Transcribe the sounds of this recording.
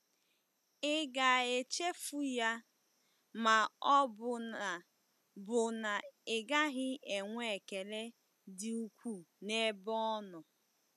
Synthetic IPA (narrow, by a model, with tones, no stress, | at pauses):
ɪ˦ɡa˨e˨t͡ʃe˦fu˦ja˦ | ma˨ɔ˦bʊ˨a˨ | bʊ˨na˨ɪ˨ɡa˦ɦɪ˦e˨ŋʷ˦e˨ke˨le˦ | dɪ˨u˦kʷu˦ne˦bɔ˦ɔ˦nʊ˨